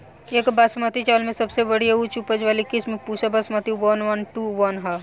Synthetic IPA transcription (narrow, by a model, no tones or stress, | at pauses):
eːkbɐsmat̪it͡ʃaːlmẽsɐbsebəɽ̤ijaut͡ʃupəd͡ʒʋaːlikɪsmẽpuːt͡ʃʰabɐsmaːt̪iʋɐnʋənʈuːʋɐnɦa